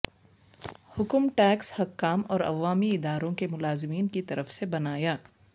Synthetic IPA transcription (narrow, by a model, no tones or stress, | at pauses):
hʊkmʈɛːkshɐkːaːmɔːɾɐ̰ʋaːmiɪd̪aːɾõkemʊlaːzɪmiːnkit̪ɐɾəfsebɐnaːjaː